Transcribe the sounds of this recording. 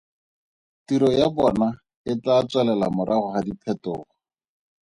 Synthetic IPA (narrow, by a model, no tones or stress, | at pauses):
tiɾɔjabɔna | ɪtat͡swɛlɛla̰mʊɾʔaχʊχadipʰɛtʊːχɔ